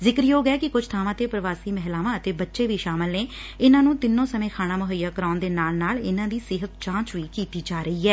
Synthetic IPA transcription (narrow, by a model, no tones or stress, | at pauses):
zɪkɾjoːɡɛːkɪkʊd͡ʒʰt̪ʰaːʋãːt̪eːpɾəʋaːsiːmɛɦlaːʋãːət̪eːbətːʃeːʋiːʃaːmɪlneːɪnãːnũːt̪ɪnːõːsəmẽːkʰaːñaːmʊɦəjaːkəɾaːnd̪eːnaːlnaːlɪnãːd̪iːsɪɦət̪̚t͡ʃãːt͡ʃʋiːkiːt̪iːd͡ʒaːɾəiːɦɛː